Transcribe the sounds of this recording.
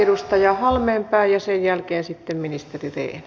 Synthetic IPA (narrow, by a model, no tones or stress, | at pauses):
edust̪ɑjɑhɑlmempæˑːjjɑsejjælkeːnsit̪ːemminist̪erirḛːn